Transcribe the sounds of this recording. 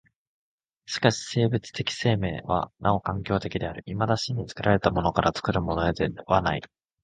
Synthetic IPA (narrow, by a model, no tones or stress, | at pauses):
ɕi̥kaɕi̥se̞ːbɯ̟t͡sɨ̥t̪e̞kʲi̥se̞ːme̞ːβa̰nʔao̞kãŋkʲo̞ːt̪e̞kʲid̪e̞aɾɯ̟ʔimad̪aɕiɲ̟ːit͡sɨ̥kɯɾaɾe̞t̪amo̞no̞kaɾʔat͡sɨ̥kɯ̟ɾɯ̟mo̞noed̪eβanaḭ